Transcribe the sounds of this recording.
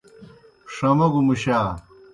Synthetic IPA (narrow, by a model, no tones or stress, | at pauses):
ʂɐmɐɡumuɕaː